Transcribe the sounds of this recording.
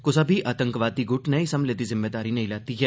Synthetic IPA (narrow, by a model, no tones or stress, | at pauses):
kʊsɐbʱiʔʔaːt̪ə̃ŋkʋaːd̪iɡʊʈnɐisɐmleːt̪izɪmːeːd̪aːɾinɐɦĩlaːt̪iɦɛː